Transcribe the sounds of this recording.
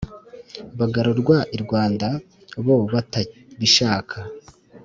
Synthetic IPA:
βaɡaɾoɾɡwaʔiɾɡwaːnda | βoβata | βiʃaːkʰa

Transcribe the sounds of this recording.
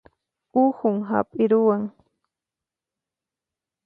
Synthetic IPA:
ʊhʊŋɦa̰pʼɪɾʊwaŋ

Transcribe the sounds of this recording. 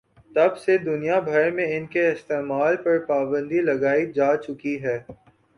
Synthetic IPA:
t̪ɐbsed̪ʊnijabʱɐɾmẽɪnkeɪst̪eːmaːlpɐɾpaːbə̃nd̪ilɐɡaːid͡ʒaːt͡ʃʊkiɦɛː

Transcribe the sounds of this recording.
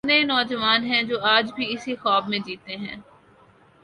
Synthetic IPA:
nenɔːd͡ʒəʋaːnɦɛ̃d͡ʒoːaːd͡ʒbʱiɪsixɔːbmẽd͡ʒiːt̪eɦɛ̰̃ː

